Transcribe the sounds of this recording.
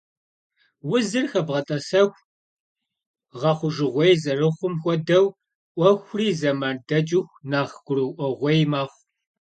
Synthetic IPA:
wʊzɨrxɐbʁɐtʼɐsɐxʷ | ʁɐχʷʊʒɨʁʷejzɐrɨχʷʊmxʷɔdɐw | ʔʷɔxʷʊriːzɐmaːndɐd͡ʒʼɪxʷnaːχɡʷʊrɨwʔʷɔʁʷejmaːχʷ

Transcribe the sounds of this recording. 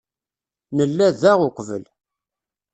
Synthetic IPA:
nəlːæðæʁʊqʷvə̰l

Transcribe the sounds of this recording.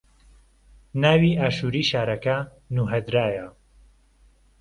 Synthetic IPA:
naːwiːʔaːʃuːɾiːʃaːɾɐkɐ | nuːɦɐd̪ɾaːjɐ

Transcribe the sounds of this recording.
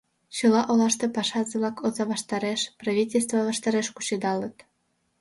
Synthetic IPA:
t͡ɕɤ̆lɑʔolɑʃt̪ĕpɑʃɑzɤβlɑkozɑβɑʃt̪ɑɾeʃprɑvʲitʲelʲst̪vɑβɑʃt̪ɑɾeʃkut͡ɕed̪ɑlət̪

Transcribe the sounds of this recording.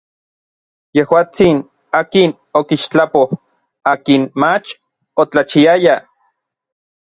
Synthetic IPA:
jehwaːt͡sin | aːkin | okiʃt͡ɬapoh | aːkinmat͡ʃ | ot͡ɬat͡ʃiaja

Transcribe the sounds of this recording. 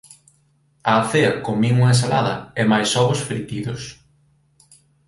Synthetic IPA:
ɐːθeɐkoŋmiŋuŋɐes̬alaðɐɛmajsɔβʊsfɾit̪iðʊs

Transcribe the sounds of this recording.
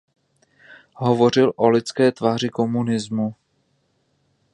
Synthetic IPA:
ɦovo̞r̝ɪlʔolɪt͡skɛːt̪vaːr̝ɪko̞munɪzmu

